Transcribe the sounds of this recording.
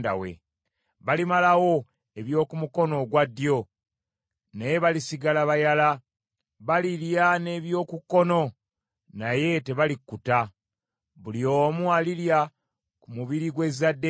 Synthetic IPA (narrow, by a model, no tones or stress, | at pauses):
da̰wḛ | βalimalawo̞ | e̞βjo̞ːkumuko̞no̞ɡwadːjo̞ | najeβalisiɡalaβajala | βaliljane̞ːβjo̞ːkukːo̞no̞ | naje̞te̞βalikːuta | βuliomwalilja | kumuβiɾiɡwe̞zadːe